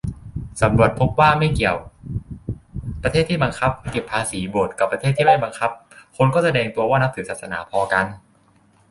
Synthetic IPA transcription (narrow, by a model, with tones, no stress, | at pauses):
sa˩˦mɾu˨˩ət̪̚pʰo˦˥p̚waː˥˩ma˥˩jki˨˩əw | pɾa˧t̪ʰeː˥˩t̪ʰːiː˥˩ba˧ŋkʰa˦˥p̚ke˨˩pʰːaː˧siː˩˦boː˨˩t̪̚ka˨˩pːɾʰeː˥˩t̪ʰːiː˥˩ma˥˩jba˧ŋkʰa˦˥p̚kʰo˧nkɔː˥˩sa˧dɛː˧ŋt̪u˧ɐwaː˥˩na˦˥t̪ʰɯː˩˦saː˨˩t̪̚sa˧na̰ː˩˦pʰɔː˧ka˧n